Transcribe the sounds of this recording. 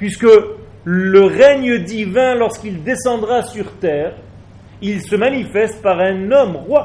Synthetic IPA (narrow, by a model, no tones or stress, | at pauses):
pɥiskə | ləʁɛɲəd̪ivɛ̃lɔʁskild̪esɑ̃d̪ʁasyʁt̪ɛːʁ | ilsəmanifɛst̪̚paʁɛ̃nɔmʁwa